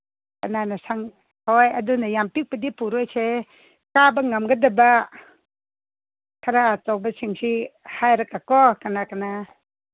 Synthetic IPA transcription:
kananasaŋ | hɔjɐdunajampik̚padipuɾɔjse | kabaŋamɡadaba | kʰaɾaːt͡ʃɔk̚basiŋsihajɾakakɔkanakana

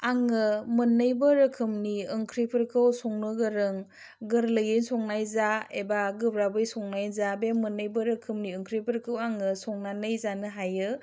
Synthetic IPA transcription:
aŋɯmɯnɯjbɯɾɯkʰɯmniɯŋkʰɾipʰəɾkʰɯwsɔŋnɯɡɯɾɯŋ | ɡɯɾlɯjɯnsɔŋnajzaebaɡɯbɾabɯjsɔŋnajzabemɯnɯjbɯɾɯkʰɯmniɯŋkʰɾipʰɯɾkʰɯwaŋɯsɔŋnanɯjzanɯɦajɯ

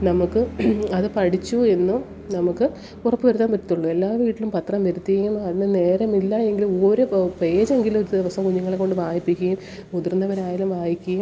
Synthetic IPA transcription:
nɐmukːɨɐðɨpɐɽit͡ɕːue̞nːu | nɐmukːɨ | urɐpːɨʋɐɾut̪ːaːnpɐʈːit̪ːuɭːue̞lːaːʋiːʈːilumpɐt̪rɐmʋɐɾut̪ːikːɐjumɐðinɨne̞ːɾɐmilːɐe̞ŋɡilumoːɾupe̞ːd͡ʑe̞ŋɡilumo̞ɾud̪iʋɐsɐmkuɲːuŋːɐɭekːo̞ɳɖɨʋaːjipːikʲːɐjum | ud̪urnːɐʋɐɾaːjalumʋaːjikʲːɐjum

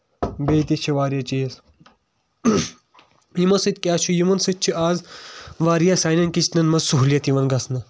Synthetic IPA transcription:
beːt̪it͡ʃʰiʋaːɾijɐt͡ʃijɐs | jimɐsɨt̪ʲkʲaːt͡ʃʰujimɐnsɨt̪̚t͡ʃʰiʔaːzʋaːɾjasaːjnɐnkit͡ʃʰnɐnmɐzsuɦuljɐt̪iʋɐnɡɐsnɐ

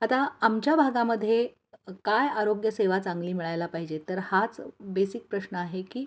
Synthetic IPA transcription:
at̪aamt͡ɕjabʱaɡaməd̪ʱːje | kajaɾoɡjəseʋat͡sãŋɡliːmiɭajlapaɦid͡ʑet̪əɾhat͡sbesik̚pɾəɕnəaɦekiː

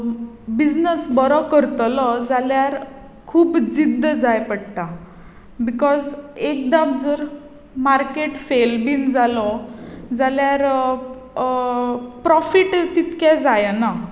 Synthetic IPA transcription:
bid͡znəsbɔɾɔkəɾt̪lɔd͡zaljaɾ | kʰuːbd͡zid̪ːəd͡zajpəɽʈ̪a | bikɔzek̚d̪ab̚d͡zəɾ | maɾkeʈfelbind͡zalɔd͡zaljaɾ | pɾɔfiʈt̪it̪kɛd͡zajna

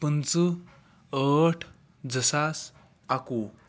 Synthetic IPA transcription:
pənt͡sə | əʈʰ | d͡zəsas | aku

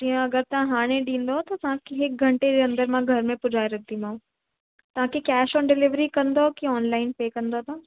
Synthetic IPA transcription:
d͡ʑijə̃ɐɡəɾt̪ɐɦãɦaːɽ̃ẽɗĩːn̆d̪ot̪ɐt̪ɐʋ̤ãkʰeɦɪk̚ɡʱɐ̃ɳʈed͡ʑeɐ̃nd̪əɾmãɡʱɐɾmẽpʊd͡ʑʱaːeɾɐkʰnd̪imãːũ | t̪ɐʋ̤ãkʰekɛːʃɔ̃ːnɖɪlɪʋɾikɐ̃nd̪okiɔːnlaːɪnpeːkɐ̃nd̪ot̪ã

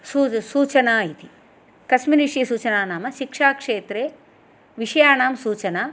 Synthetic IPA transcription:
suːsuːt͡ʃɐnaːit̪i | kɐsminiʂisuːt͡ʃɐnaːnaːmɐʃikʂaːkʂeːt̪ɾeː | ʋiʂɐjaːnaːmsuːt͡ʃɐnaː

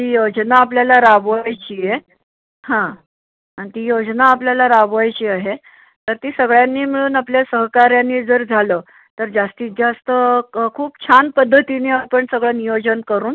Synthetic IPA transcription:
t̪iːjod͡znaːpljalaɾabʋajt͡ɕiːje | hã | anit̪iːjod͡znaːpljalaɾabʋajt͡ɕiːaɦe | t̪əɾt̪iːsəɡɭjanːiːmiɭuːnapljasəɦkaɾjanːiːd͡zəɾd͡zʱaləː | t̪əɾd͡zast̪iːd͡zast̪əkʰuːpt͡ɕʰanpəd̪ʱːət̪ineaɾpəɳsəɡɭənijod͡zənkəɾuːn

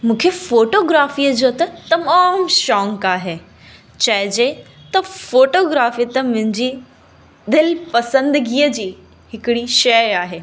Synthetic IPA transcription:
mũːkʰefoːʈoːɡɾaːfiːəd͡ʑoːt̪ɐt̪ɐmaːmʃɔ̃ːŋkaːɦeː | t͡ɕɐɦd͡ʑe | t̪ɐfoːʈoːɡɾaːfiːt̪ɐmʊ̃ɦɪ̃ɲd͡ʑi | d̪ɪlpɐsə̃nd̪ɡiːəd͡ʑiː | hɪkɪɽiʃɐaːɦeː

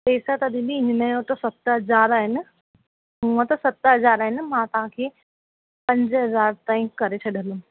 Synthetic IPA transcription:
peːsat̪ɐd̪ĩbiɪ̃ɲnejõt̪ɐsɐt̪ɦɐzaːɾaːɦɪnɪ̆ | ũõt̪ɐsɐt̪ɦɐzaːɾaːɦɪnɪ̆mãt̪ɐɦãkʰeː | pɐ̃ɲd͡ʑɦɐzaːɾt̪ãːĩkɐɾet͡ɕʰɐɗəlũ

